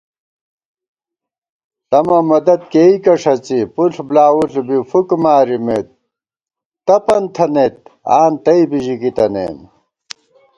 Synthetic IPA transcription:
t̪ɐmɐmɐd̪ɐt̪̚keːikɐʂɐt͡sipuɬblaːwuɬbifukmaːɾimet̪̚ː | ɐpɐnt̪ʰɐnet̪̚aːnt̪ɐibiʑikit̪ɐnḛːn

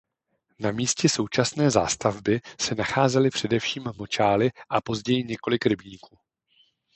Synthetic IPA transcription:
namiːscɛso̞wt͡ʃasnɛːza̰ːst̪avbɪsɛnaxaːzɛlɪpr̝̥ɛdɛfʃiːmːo̞t͡ʃaːlɪʔapo̞zɟɛjɪɲɛko̞lɪkɾɪbɲiːkuː

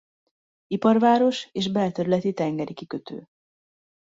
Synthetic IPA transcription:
ipɒrvaːɾo̞ʃeːʃbɛlt̪ɛɾylɛt̪it̪ɛŋɡɛɾikikøt̪ʰø̰ː

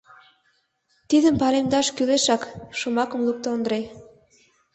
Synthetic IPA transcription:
t̪iðə̆mpɑlemd̪ɑʃkyleʃɑkʃomɑkə̆mluk̚t̪oond̪ɾe

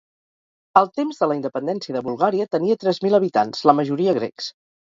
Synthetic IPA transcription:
əlˠt̪emzðələind̪əpənd̪ɛnsiəðəβulˠɣaɾiət̪əniət̪ɾɛzmiləβ̞it̪anz̥ləməʒuɾiəɣ̞ɾɛ̰ks

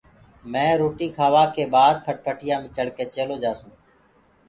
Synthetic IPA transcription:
mɛ̃ːɾoːʈiːkʰaːʋaːkeːbaːd̪̚pʰəʈ̚pʰəʈɪjaːmẽːt͡ʃəɽkeːt͡ʃeːloːd͡ʒaːsũː

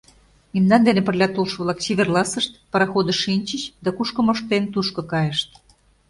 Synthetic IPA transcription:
imnɑnd̪enepə̆rlʲɑt̪olʃβlˠɑksʲeβʲerlˠɑsəʃt̪̚pɑɾɑxod̪ə̆ʃinʲt͡ɕət͡ɕd̪ɑkuʃkə̆moʃt̪ent̪uʃkɤ̆kɑjə̆ʃt̪̚

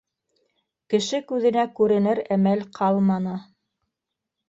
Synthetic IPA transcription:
kɘ̆ʃɘkʉðɘ̆nækʉɾɘ̆nɘɾæmælqʰɑlˠmɑnɤ

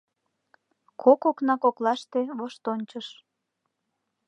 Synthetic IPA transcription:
kʰokoknɑkoklɑʃt̪eβoʃt̪onʲt͡ɕəʃ

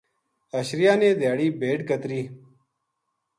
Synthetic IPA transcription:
əɕɾɪjaːneːd̪jaːɽiːbeːʈkət̪ɾiː

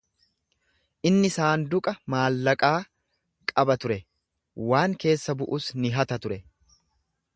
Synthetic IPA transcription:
ʔɪnːɪsaːnd̪ʊkʼɐmaːlːɐkʼaː | kʼɐbɐt̪ʊɾɛ | waːŋke̞ːsːɐbʊʔʊsnɪɦɐt̪ɐt̪ʊɾɛ

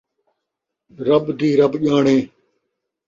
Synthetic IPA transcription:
ɾəbd̪iːɾəbʄaːɳẽː

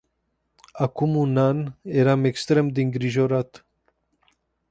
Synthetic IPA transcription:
akumunaneɾamekst̪ɾemd̪iŋɡɾiʒoɾat̪

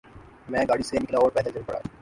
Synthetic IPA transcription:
mɛ̃ːɡaɽisemiklaɔaɾpɛd̪ʱad͡ʑeɾpɔ̰ɽa̰

